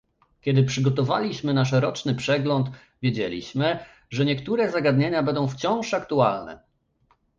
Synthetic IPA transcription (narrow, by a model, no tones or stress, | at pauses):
kʲɛd̪ɘpʂɘɡɔt̪ɔva̰lʲiɕmɘnaʂɛɾɔt͡ʂnɘpʂɛɡlɔnt̪ | vʲjed͡ʑelʲḭɕmɘ | ʐɛɲɛkt̪uɾɛzaɡad̪ɲeɲabɛnd̪ɔ̃w̃ft͡ɕɔ̃w̃ʂakt̪ualnɛ̰